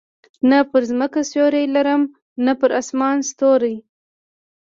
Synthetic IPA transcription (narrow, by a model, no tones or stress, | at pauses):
napəɾzməkasjoɾajlaɾəm | napəɾɑsmɑnst̪oɾaj